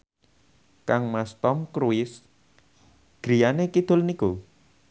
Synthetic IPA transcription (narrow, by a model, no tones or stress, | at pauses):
kaŋmast̪ɔmkɾuɪs | ɡ̥ɾijanekid̪̥ʊ̤lniku